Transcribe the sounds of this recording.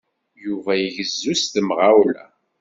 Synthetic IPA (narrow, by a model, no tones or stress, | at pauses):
juvæjəʝəzːust̪əmʁawlæ̰